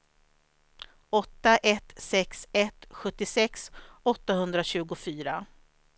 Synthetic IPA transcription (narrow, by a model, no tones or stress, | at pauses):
ɔt̪ːaʔɛt̪sɛksɛt̪ɧɵt̪ːɪsɛksɔt̪ːaɦɵnd̪ɾaɕʉ̟ːɡʊfyːɾa